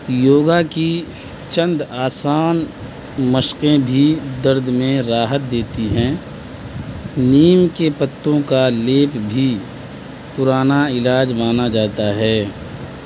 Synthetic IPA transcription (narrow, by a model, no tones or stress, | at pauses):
joːɡaki | t͡ʃə̃nd̪aːsaːn | məʃqẽbʱid̪əɾd̪ʱmẽɾaːɦət̪̚d̪eːt̪iɦɛ̃ | niːmkepət̪ːõkaleːpbʱi | pʊɾaːnaɪlaːd͡ʒmaːnad͡ʒaːt̪aɦɛː